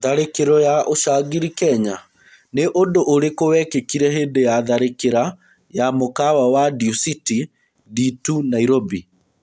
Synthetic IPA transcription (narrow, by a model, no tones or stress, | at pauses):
ðaɾekeɾɔjaʔoɕaːɡiɾikɛɲa | neʔondoʔoɾekowɛkekiɾɛɦeːndejaðaɾekeɾa | jamokawawadiusiti | ditunaiɾobi